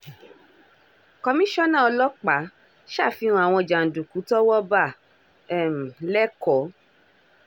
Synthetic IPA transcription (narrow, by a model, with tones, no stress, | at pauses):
kɔ˧mĩ˦ʃɔ˦nã˦˨ɔ˧lɔ˦k͡pa˨˦ | ʃa˦˨fĩ˧ũ˧a˨w̃ɔ̃˧˨d͡ʒa˨n̩˨dũ˨ku˨˦tɔ˦wɔ˦ba˦˨ | ɛ˦˨m̩˨lɛ˦kɔ˨˦